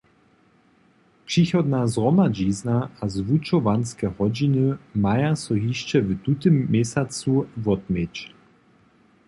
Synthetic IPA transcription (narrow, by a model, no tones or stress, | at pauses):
pʂixɔd̪nazʁɔmad͡ʑiznaazvut͡ʃɔvanskɛhɔd͡ʑinɨmajasɔɦiʃt͡ʃɛvt̪ut̪ɘmːɛsʲat͡suvɔt̪mʲjet͡ɕ